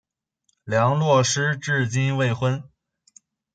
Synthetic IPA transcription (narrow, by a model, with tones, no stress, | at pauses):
ljɑ˧˥ŋlwɔ˥˩ʂɻ̩˥ʈ͡ʂɻ̩˥˩t͡ɕi˥nwe˥˩ɪxwə˥n